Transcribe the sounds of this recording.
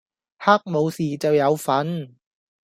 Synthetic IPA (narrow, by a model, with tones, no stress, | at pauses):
haː˥k̚mo˨˧˥wsiː˨˩t͡sɐ˨wjɐ˨˧wfɐ˨˥n